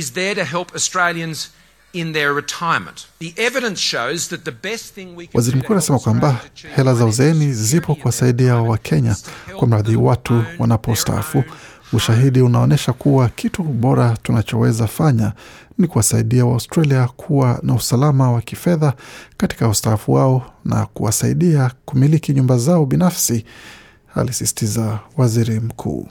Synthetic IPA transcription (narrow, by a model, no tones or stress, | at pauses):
ɨzðə˞ɾɨɦɛlˠpʰəstɹ̥eɪlˠjɨ̃nz | ɪ̃nðə˞ɹɨtʰaɪə˞mə̃nðiʔɛvɨɾɨ̃nsʃoʊzðɨt̪̚ðɨbɛstθɪ̃ŋwiwʔaziɾim̩kuːanasɛmakwambahɛlazauzɛɛnizipɔkuwasaiɗiawakʰɛɲakwam̩ɾaðiwatʰuwa̰napɔusta̰a̰fu | uʃaɦiɗiunaɔnɛʃakuwakʰituɓɔɾatunat͡ʃɔwɛzafaɲa | nikuwasaiɗiawastɾaliakʰuwanausalamawakifɛðakati̥kaustaafuwaɔna̰kṵwasaiɗiakumilikiɲumbazaɔɓinafsi | a̰lisisi̥tizawaziɾim̩kʰṵː